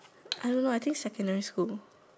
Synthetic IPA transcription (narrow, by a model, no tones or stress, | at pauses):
ʔaɪdõnːoajt̪ʰɪ̃ŋksɛkə̃ndɛɹiskul